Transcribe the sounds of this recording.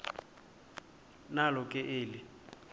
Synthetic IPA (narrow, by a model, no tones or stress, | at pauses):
nalɔkʼɛʔeːlɪ